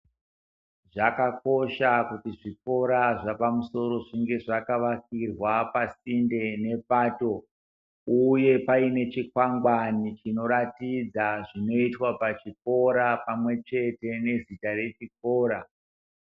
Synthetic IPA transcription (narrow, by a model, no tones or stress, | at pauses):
ʐakako̞ʃakutiʐik̚o̞ɾaʐapamuso̞ɾo̞ʐiŋɡe̞ʐakaʋakirwapasinde̞ne̞paːto̞ | uje̞paine̞t͡ʃikwaŋɡwanit͡ʃino̞ɾatid͡zaʐino̞itwapat͡ʃip̚o̞ɾapamwe̞t͡ʃe̞te̞ne̞zitare̞t͡ʃik̚o̞ːɾa